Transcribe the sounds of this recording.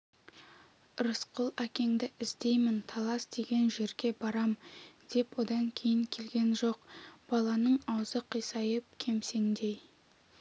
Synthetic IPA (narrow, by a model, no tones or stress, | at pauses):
ɾəsqəlˠækʲe̞ŋd̪ɪɪzd̪e̞jmɪnt̪ʰɑlˠɑsd̪̥e̞ɡʲe̞nʒe̞ɾɡʲe̞bɑɾɑmd̪̥e̞pwo̞d̪ɑŋkʲʰe̞jɪŋkʲʰe̞lɡʲe̞nʒo̞qb̥ɑlˠɑnəɴɑwəzəqʰijsɑjəp̚kʲʰe̞mse̞ŋd̪e̞j